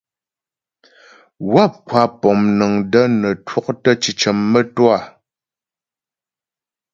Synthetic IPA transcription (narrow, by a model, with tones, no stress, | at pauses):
wa˦˨p̚kwa˨˦pɔ˨mnə˨ŋdə˦nə˨twɔ˦˨k̚tə˦t͡ʃi˨t͡ʃə˨mːə˦twa˨